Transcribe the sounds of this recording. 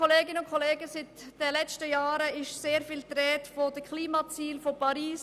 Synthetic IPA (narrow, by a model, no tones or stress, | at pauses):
ɔleːɡɪnəʊnkʰɔleːɡəsɪtd̥əlɛt͡stəjɑːɾəɪʃseːɾfiːlt̪ɾɛːtfod̥əkʰliːmɑt͡siːlfopʰɑɾiːs